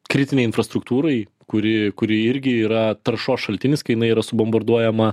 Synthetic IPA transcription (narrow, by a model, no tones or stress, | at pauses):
kɾʲɪt̪ʲɪnʲɛɪɪnfɾɐst̪ɾʊkt̪uːɾɐɪ | kʊɾʲɪkʊɾʲɪɪɾʲɡʲɪiːɾɐt̪ɐɾʃoːsʃɐlʲt̪ʲɪnʲɪskɐɪjɪnɐɪiːɾɐsʊbɔmbɐɾd̪uɔjɛmɐ